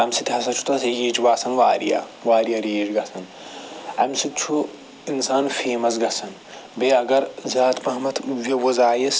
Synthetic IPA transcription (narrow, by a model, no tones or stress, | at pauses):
ɐmsit̪ʰɐs̬ɐt͡ʃʰu̥t̪ɐsɐjeːt͡ʃʋaːsɐnʋaːɾḭja̰ʋaːɾijɐɾjeːd͡ʒɡɐsʰɐn | ɐmsitt͡ʃʰu | insaːnfeːmɐs̬ɡɐsɐn | beɐɡɐɾzaːt̪ʰmɐɦmɐt̪ʋɐʋɐzaːjis